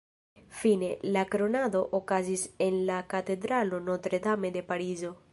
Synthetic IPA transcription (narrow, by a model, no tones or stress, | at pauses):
finelakɾonad̪oʔokazisenlakat̪ed̪ɾalonɔt̪ɾed̪amed̪epaɾizo